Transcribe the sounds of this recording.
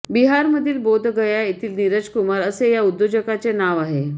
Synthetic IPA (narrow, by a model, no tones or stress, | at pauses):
biɦaɾməd̪ʱiːlbod̪ʱɡəjaet̪iːlniɾəd͡zkumaɾəsejaud̪ːod͡ʑəkat͡senaʋaɦe